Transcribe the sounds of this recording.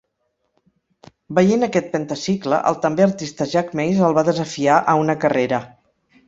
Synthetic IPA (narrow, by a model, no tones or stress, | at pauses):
bəjenəkɛt̪̚pənt̪əsiklə̰ʔə̰lˠt̪əmbeəɾt̪ist̪əʒakmejzəlˠβaðəzəfiaʔəunəkəreɾə